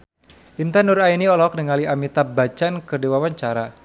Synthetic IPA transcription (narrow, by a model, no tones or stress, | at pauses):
ʔint̪anuɾainiɔlɔk̚nəŋaliʔamit̪abat͡ʃankɨrdiwawaɲt͡ʃaɾa